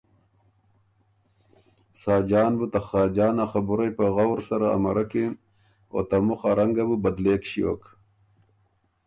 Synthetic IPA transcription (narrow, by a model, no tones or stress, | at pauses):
sɑːd͡ʒɑːnbut̪axɑːd͡ʒɑːnaxabuɾajpaɣawɾsaɾa̰ːma̰ɾakim | o̰t̪amuxaɾaŋɡabubad̪leːkɕio̰ːk